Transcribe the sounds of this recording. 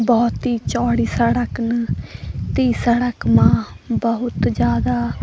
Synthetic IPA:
bɔːt̪ɦiːt͡ʃɔːɽiːsəɽəkn | t̪iːsəɽəkmãːbəɦʊt̪d͡ʒjaːd̪aː

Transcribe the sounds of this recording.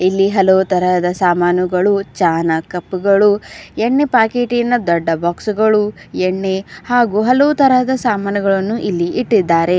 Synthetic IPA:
ilːiɦɐlɐʋut̪ɐɾɐd̪ɐsaːmaːnuɡɐɭut͡ʃaːnɐkɐpːuɡɐɭueɳːepaːkeːʈinɐd̪ɔɖːɐbaːksuɡɐɭueɳːe̞haːɡuɦɐlɐʋut̪ɐɾɐd̪ɐsaːmaːnɐɡɐɭɐnːuʔilːiʔiʈːid̪ːaːɾe̞

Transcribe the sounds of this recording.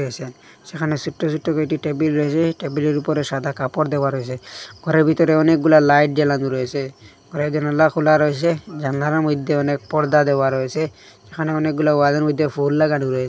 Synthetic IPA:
ese | sekʰanesuʈːɔsuʈːɔkɔjʈiʈebilɾɔsɛʈebileɾupɔɾesad̪ʱakapɔɾd̪ɛbaɾɔjseɡ̥ʱɔɾeɾbʱit̪ɔɾeɔnek̚ɡulalajʈ̚dɛlantuɾɔese | ɡʱɔɾed͡ʒɔnalakʰulaɾɔjs̬ed͡ʒand̪ʱaɾamɔjd̪ʱːeɔnek̚pɔɽd̪ad̪ɛaɾɔese | sekʰaneɔnek̚ɡulauad̪aɾmɔjd̪ʱːepʰulːaɡanuɾɔes

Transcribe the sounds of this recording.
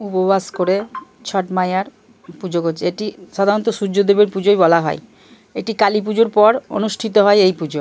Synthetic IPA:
upobaskoɾe | t͡ɕʰɔʈmajaɾ | pud͡ʑoɡot͡ɕʰeeʈiʃad̪ʱaɾont̪oʃud͡ʑːod̪ebeɾpud͡ʑojbɔlaɦɔ̰e | eʈikalip̬ud͡ʑoɾpɔɾo̰nuʃʈʰit̪̬oɦɔeejpud͡ʑo

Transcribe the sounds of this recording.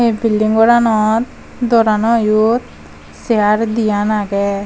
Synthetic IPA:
ebilɖiŋɡɔɾanɔt̪ | d̪ɔɾanɔjut̪ | seaɾd̪ijanaɡɛ

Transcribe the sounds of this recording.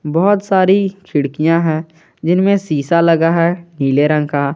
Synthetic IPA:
bɔːɔt̪saːɾit͡ʃʰɪɽkijãɦɛ̃ː | d͡ʒɪnmẽsiːsalɐɡaɦɛniːleɾə̃ŋka

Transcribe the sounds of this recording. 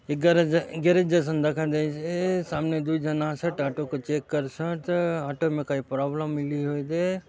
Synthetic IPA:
ɡɐɾɡeɾed͡ʒɐs̬ɐnd̪ɐkʰãd̪esesaːmned̪uid͡ʒɐnaːsɐʈaːʈokot͡ʃeːkːɐɾsɐʈaːʈomẽkaipɾaːbləmːɪliɦoːjd̪e

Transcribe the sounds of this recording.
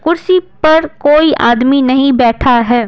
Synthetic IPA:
kʊɾsipɐɾkoːiʔaːd̪minɐɦĩbɛːʈʰaɦɛː

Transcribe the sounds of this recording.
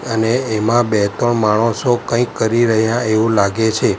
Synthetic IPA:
əneːmãbet̪ɔɳmaɽ̃õsokə̃ikːəɾiɾəɦjãeʋũlaɡet͡ʃʰe

